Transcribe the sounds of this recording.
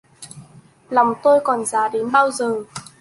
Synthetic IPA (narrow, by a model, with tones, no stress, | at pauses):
lɔ˨˩wŋ͡mt̪o˧jkɔ˨˩nzaː˨˦ɗe˨˦nɓaː˧wzəː˨˩